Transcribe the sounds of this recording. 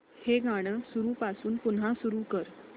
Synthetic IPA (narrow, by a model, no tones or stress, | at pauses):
heɡaɽ̃əsuɾuːpasuːnpun̤asuɾuːkəɾ